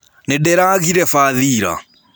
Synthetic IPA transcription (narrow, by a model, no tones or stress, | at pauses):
nɛɗɛɾaɣiɾɛfaðiɾa̰